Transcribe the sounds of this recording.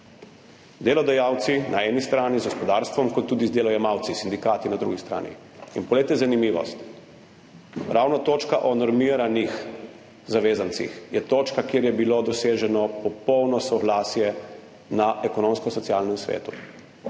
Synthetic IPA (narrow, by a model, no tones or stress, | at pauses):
d̪eːlɔd̪ajawt̪sinʔaɛnist̪ɾaːnizɡɔspɔd̪aːɾst̪ʋɔmkɔt̪ːuːd̪izd̪eːlɔjɛmawt̪sisind̪ikaːt̪inad̪ɾuɡist̪ɾa̰ːnḭ | inpɔleːt̪ɛzanimiːʋɔ̰st̪ | ɾʔaːwnɔt̪oːt͡ʃkaʔɔnɔɾmiːɾanix | zaʋeːzant̪sḭxjɛt̪oːt͡ʃkakjeːɾjɛbilod̪ɔseːʒɛnɔpɔpɔwnɔsɔɡlaːsjɛ | naʔɛkɔnomskɔsɔt̪siaːlnɛmsʋḛːt̪u